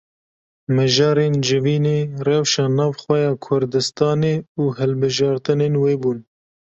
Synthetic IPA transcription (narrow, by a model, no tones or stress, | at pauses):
mɨʒɑːɾeːnd͡ʒɪviːneːrɛwʃɑːnɑːvxwɛjɑːkʰʊɾd̪ɨst̪ɑːneːuːhɛlbɨʒɑːɾt̪ɨneːnweːbuːn